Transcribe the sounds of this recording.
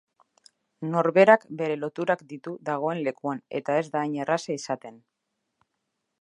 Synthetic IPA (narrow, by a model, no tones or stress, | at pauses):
no̞ɾβe̞ɾakbe̞ɾe̞lo̞t̪uɾakd̪it̪uðaɣ̞o̞e̞nle̞kuane̞̰t̪ae̞zd̪aːɲerasaisat̪e̞n